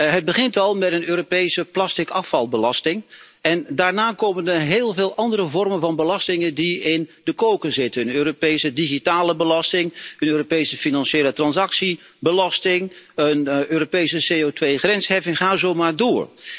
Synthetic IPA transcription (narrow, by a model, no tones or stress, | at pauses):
ɦəd̚bəχɪntɑlˠmɛtənøːropejsəplastɪkɑfɑlˠbəlɑstɪŋ | ɛndaːɹnaːkowmənɦeːlˠveːlˠʔɑndərəvɔrmənvɑnbəlɑstɪŋəndiɪndəkowkəzɪtənøːropejsədiχitaːləbəlɑstɪŋənøːropejsəfinɑnʃeːlətrɑnzɑksi | bəlɑstɪŋənøːropejsəseotʋejχrɛnsɦɛfɪŋχaːzowmaːɹdʊːɹ